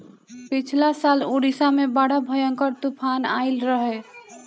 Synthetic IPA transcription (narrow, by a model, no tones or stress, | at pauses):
pɪt͡ʃʰlasaloɽisamẽbaɽabʱəjəŋkəɾt̪upʰanaːɪlɾəɦɛ